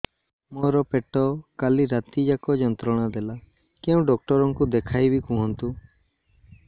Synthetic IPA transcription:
mɔɾɔpeʈɔkaliɾat̪id͡ʒakɔd͡ʒɔnt̪ɾɔɽ̃ad̪ɛla | kɛũɖɔk̚ʈɔɾɔŋkud̪ekʰajbikũɦɔnt̪u

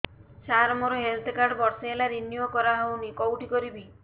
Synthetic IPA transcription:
t͡ʃaɾɔmɔɾɔɦelt̪ʰkaɾɖbɔɾseɦelaɾinjokɔɾaɦownikɔwʈikɔɾibi

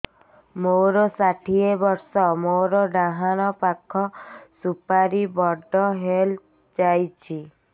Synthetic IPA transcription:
moɾɔsaʈʰiebɔɾsɔmoɾɔɖaɦaɽ̃ɔpakʰɔsupaɾibɔɖɔɦel | d͡ʒajt͡ʃʰi

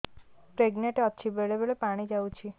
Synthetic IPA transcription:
pɾeɡneʈeɔtːʃʰibeɭebeɭepaɽ̃id͡ʒawt͡ʃʰi

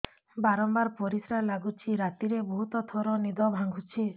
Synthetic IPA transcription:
baɾɔmbaɾpɔɾisɾalaɡut͡ʃʰiɾat̪iɾebɔɦut̪ɔt̪ʰɔɾɔnid̪ɔbʱaŋɡʱut͡ʃʰi

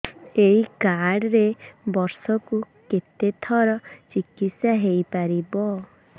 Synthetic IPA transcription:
eɦikaɽɾebɔɾsɔku | ket̪et̪ʰɔɾɔt͡ʃikit̪sjaɦejpaɾibɔ

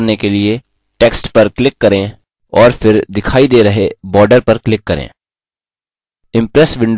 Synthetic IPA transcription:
ɾnekelie | ʈeːksʈpɐɾklɪkːɐɾẽ | ɔːɾfɪɾd̪ɪkʰaːid̪eːɾɐɦebɔːɾɖəɾpɐɾklɪkːɐɾḛ̃ː | ɪ̃mpɾɛsʋɪ̃ɳɖ

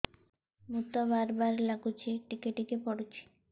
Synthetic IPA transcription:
mut̪ɔbaɾbaɾlaɡut͡ɕʰiʈikeʈikepɔɽet͡ɕʰi̥

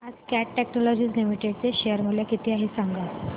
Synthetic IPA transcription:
ad͡zkæʈːɛknɔlɔd͡ʑiːslimiʈeɽt͡seɕejəɾmuljakit̪ʰiːaɦiːsãŋɡa

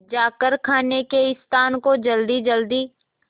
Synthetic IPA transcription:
d͡ʒaːkəɾkʰaːnekeɪst̪ʰaːnkod͡ʒɐld̪id͡ʒəld̪iː

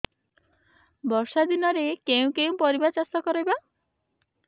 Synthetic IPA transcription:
bɔsad̪inɔɾekeũkeũpɔɾibat͡ʃast̪ɔkɔɾɔjba

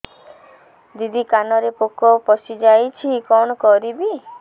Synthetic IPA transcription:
d̪id̪ʱikanɔɾepokɔpɔsid͡ʒajt͡ʃʰikɔñɔkɔɾibi

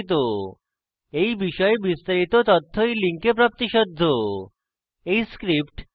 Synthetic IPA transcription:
t̪̬o | ejbiʃɔebist̪aɾit̪ot̪ot̪ʰːoejliŋkep̬ɾap̚t̪iʃod̪ʱːo | ejskɾipʈ

